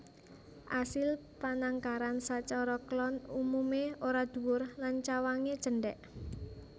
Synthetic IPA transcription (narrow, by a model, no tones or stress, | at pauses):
ʔasɪlpanaŋkaɾansat͡ʃɔɾɔklɔnumumeoɾad̪̥ṳwʊrlant͡ʃawaŋed̥ʒ̥ə̤ɳɖɛʔ